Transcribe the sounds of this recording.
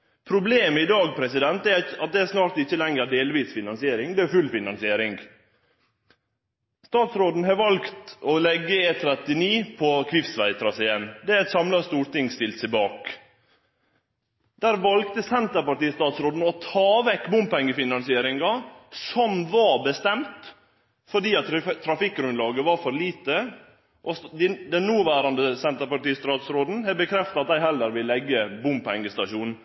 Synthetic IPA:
pʰɾʊbleːməɪd̪ɑːɡ̚pʰɾɛsɪd̪ɛnt̪ɛɑt̪̚d̪ɛæsnɑːɾt̪ɪçːəlɛŋəɾɖeːlʋiːsfɪnɑnsɪeːɾɪŋd̪ɛæfʉlfɪnɑnsɪeːɾɪŋɡ | st̪ɑːt̪sɾoːd̪n̩hɑːɾʋɑlkt̪ɔlɛɡːəeːt̪ʰɾɛt̪ɪniːpʰɔkʰʋɪft̪ʋæɪt̪ʰɾɑːsæɪjɛnːd̪ɛæɾæt̪sɑmlɑst̪uːɾʈ̪ɪŋst̪ɪlt̪sɛɪbɑːk | d̪̥æːɾʋɑlkt̪əsɛnt̪əɾpɑʈiːəst̪ɑːt̪sɾoːd̪n̩ɔt̪ʰɑːʋɛkːbʊmpɛŋːəfɪnɑnsɪeːɾɪŋɡɑsɔmʋɑbəst̪ɛmt̪ | fɔɖiːɑt̪t̪ʰːɾɑfɪkːɡɾʉnlɑːɡəʋɑɾfɔɾliːt̪ə | ʔɔsd̪ɪd̪ɛnnuːʋæːɾɑnd̪əsɛnt̪əɾpɑʈiːst̪ɑːt̪sɾoːd̪n̩hɛbəkʰɾɛft̪ɑt̪̚d̪æɪhɛlːəɾʋɪlːɛɡːəbʊmpʰɛŋːəst̪ɑʃuːn

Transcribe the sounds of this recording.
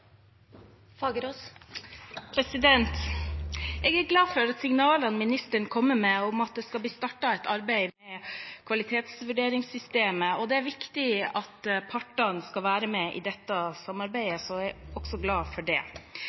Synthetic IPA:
fɑːɡəɾos | pʰɾɛsɪd̪ɛnt̪ | ɛːɡæɾɡlɑːfɔɾɑt̪sɪŋnɑːlənmɪnɪst̪əɳkʰɔmːəmɛɔmɑt̪̚d̪ɛskɑlb̪iːst̪ɑʈːɑɛt̪ɑɾbæɪmɛkʰʋɑlɪt̪ʰeːt̪sʋʉɖeːɾɪŋsʏst̪eːməɔd̪ɛæɾʋɪkt̪ɪɑt̪pʰɑʈːɑnskɑʋæːɾəmɛʔɪ̰d̪ɛt̪ːɑsɑmːɑɾbæɪəsɔɛɡɔɡ̥sɔɡlɑːfɔɖɛ̰ː

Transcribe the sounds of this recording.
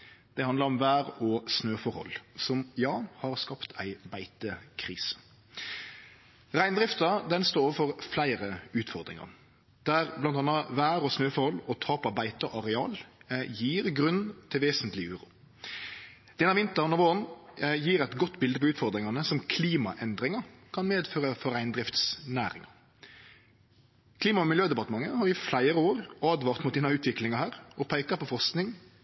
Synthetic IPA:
d̪̥ɛhɑnd̪ɑɾɔmʋæːʁɔsnøːfɔɾhɔ̰lsɔmjɑːhɑʁskɑpt̪ʰæ̰ɪbæɪt̪əkʰʁiːsə̥ | ʁæɪnd̪ɾɪft̪ɑd̪ɛnst̪oːɾɔʋəfɔʁflæɪɾəʉːt̪fɔʁd̪ɾɪ̰ŋɑ̰ʁ | d̪̥æʁblɑnt̪ɑnɑʋæːɾɔsnøːfɔɾhɔlɔt̪ʰɑːpɑbæɪt̪əʔɑʁɛɑːljiːʁɡɾʉnt̪ʰɪlʋeːsənt̪lɪʉːɾṵː | d̪̥ɛnɑʋɪnt̪əɾnɔʋoːʁənjiːɾæɪt̪ɡɔt̪ːbɪld̪əpʰɔʉːt̪fɔɾd̪ɾɪŋɑnəsɔmkʰliːmɑ̰ʔɛnd̪ɾɪŋɑkʰɑnmeːd̪føːʁəfɔɾæɪnd̪ɾɪft̪snæ̰ːɾɪ̰ŋɑ̰ | kʰliːmɑmɛmɪljøːd̪ɛpɑt̪əmɑŋːəhɑɾɪflæɪɾəoːɾɑːd̪ʋɑːʁt̪mʊt̪d̪iːnɑʉːt̪ʰʋɪklɪŋɑhæːɾɔpʰæɪkɑpʰɔfɔʁsknɪŋ

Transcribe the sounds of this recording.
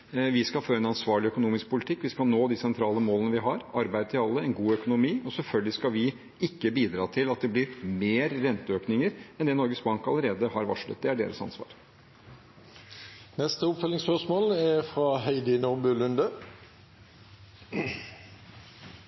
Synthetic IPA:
ʋɪskɑfoːɾɛnɑnsʋɑːɭɪœkʊnuːmɪsk̚pʰʊlɪt̪ʰɪkːʋɪskɑlnoːd̪iːsɛnt̪ʰɾɑːləmoːlənəʋɪɦɑɾɑɾbæɪd̪ət̪ʰɪɑlːəɛnɡuːœkʊnʊmiːʔɔsɛlfœlɡəlɪskɑʋɪ | ɪkːəbiːd̪ɾɑːt̪ʰɪlɑt̪̚d̪ɛblɪɾmeːɾːɛnt̪əøːknɪŋəɾɛnd̪ɛnɔɾɡəsbɑŋkɑləɾeːd̪əhɑɾʋɑ̰ʂɭə̰t̪̚d̪ɛæɖḛːɾəsɑ̰nsʋɑ̰ːɾ | nɛst̪əʊpfœlɪŋspœʂmoːlæfɾɑɦæɪd̪ənʊbʉlʉnd̪ə

